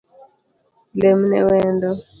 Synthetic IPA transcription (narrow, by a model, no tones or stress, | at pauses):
lɛmunɛ̰wɛːndɔ